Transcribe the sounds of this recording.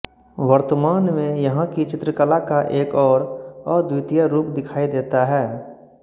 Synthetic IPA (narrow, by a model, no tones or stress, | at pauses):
ʋəɾt̪əmaːnmẽjɐɦãkit͡ʃɪt̪ɾəkəlakaʔeːkɔːɾɔːɾd̪uːt̪ijaɾuːpd̪ɪkʰaːid̪eːt̪aɦɛː